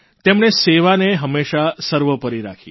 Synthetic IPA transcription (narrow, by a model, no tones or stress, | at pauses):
t̪emɳ̃eseʋaneɦəmːeʃasəɾʋəpəɾiɾa̰kʰi